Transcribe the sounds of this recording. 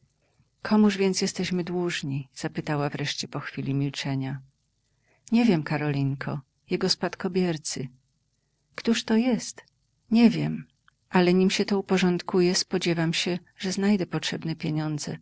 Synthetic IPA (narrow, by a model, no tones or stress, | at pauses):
kʰɔmuʐvʲjɛntsjɛst̪ɛɕmɘd̪wuʐɲiz̥apɘt̪awavɾɛʂt͡ɕɛpɔxfʲilʲimʲilt͡ʂɛɲa | ɲɛvʲjɛmkaɾɔlʲiŋkʰɔ̰ | jɛɡɔspat̪kɔbʲjɛɾt̪sɘ | kt̪uʂt̪ɔjɛst̪ | ɲɛvʲjɛm | ʔalɛɲimɕɛt̪ɔupɔʐɔnt̪kujɛspɔd͡ʑɛvamɕɛ | ʐɛznajd̪ɛpɔtʂɛbnɛpʲjeɲɔnd̪zɛ̰